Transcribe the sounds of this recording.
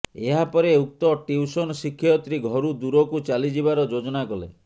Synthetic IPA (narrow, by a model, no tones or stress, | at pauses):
eɦapɔɾeuk̚t̪ɔʈiusɔnɔsikʰːjɔt̪ɾiɡʱɔɾud̪uɾɔkut͡ʃalid͡ʒibaɾɔd͡ʒod͡ʒɔnakɔlḛ